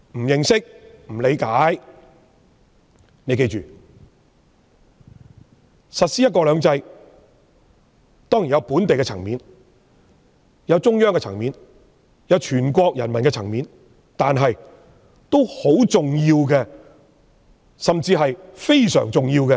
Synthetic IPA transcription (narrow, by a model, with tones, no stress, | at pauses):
m̩˨˩jɪ˨ŋsɪ˥k̚m̩˨˩le˨˧jkaː˨˥j | ne˨˧jke˧jt͡ʃyː˨ | sɐ˨t̚siː˥jɐ˥t̚kɔː˧lœː˨˧ŋt͡sɐ˧j | t̪ɔː˥ŋji˨˩njɐ˨˧wpuː˨˥nt̪e˨jkɛ˧t͡sʰɐ˨˩ŋmiː˨˧n | jɐ˨˧wt͡sʊ˥ŋjœː˥ŋɛː˧t͡sʰɐ̰˨˩ŋmiː˨˧n | jɐ˨˧wt͡ʃʰyː˨˩nkʷɔː˧k̚jɐ˨˩nmɐ˨nkɛ˧t͡sʰɐ˨˩ŋmiː˨˧˥n | t̪aː˨nɦɐ˨j | t̪o˥who˨˥wt͡sʊ˨ŋjiː˧wkɛː˧ | sɐ˨mt͡siː˧ɦɐ˨jfe˥jsœ̰ː˨˩ŋt͡sʊ˨ŋjiː˧wkɛ˧